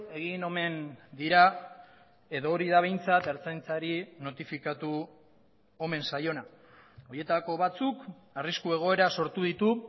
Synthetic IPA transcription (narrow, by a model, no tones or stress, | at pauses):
e̞ɣino̞me̞nd̪iɾa | e̞ðo̞ːɾiðaβ̞e̞jnt͡sat̪eɾt͡sajnt͡saɾino̞t̪ifikat̪u | o̞me̞nsajo̞na | o̞je̞t̪ako̞β̞at͡suk | ariskue̞ɣ̞o̞e̞ɾaso̞ɾt̪uðit̪u